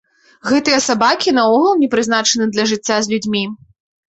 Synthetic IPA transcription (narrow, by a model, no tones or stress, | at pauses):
ɣɛt̪ɨjɐsabakʲinɐɔɣɐlˠnʲɛpɾɨznat͡ʂɐnɨd̪lʲɐʐɨt͡sʲːazʲlʲud͡zʲmʲi